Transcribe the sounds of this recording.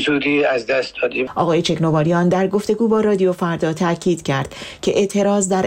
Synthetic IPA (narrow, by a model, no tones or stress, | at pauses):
sud̪iæzd̪æst̪̚d̪ɒd̪iʔɒːɣɒːje̞t͡ʃʰe̞kno̞vɒːɾijɒnd̪æɾɡo̞ft̪e̞ɡuːbɒːɾɒːd̪ijofæɾd̪ɒːt̪ʰæʔcʰiːd̪̥cʰæɾd̪̥cʰe̞ʔe̞ʔt̪ʰe̞ɾɒːzd̪æɾ